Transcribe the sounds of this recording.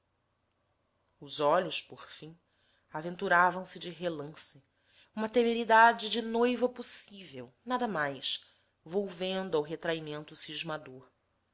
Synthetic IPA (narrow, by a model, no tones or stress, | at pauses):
ʊzɔʎʊʃpoɾfĩ | avẽnt̪uɾavɐ̃w̃sɪd͡ʒɪɦelɐ̃sɪ | ũmɐt̪emeɾid̪ad͡ʒɪd͡ʒɪnojvɐposivewnad̪ɐmajʃ | vowvẽnd̪ʊawɦet̪ɾaimẽnt̪ʊsiʒmad̪oɾ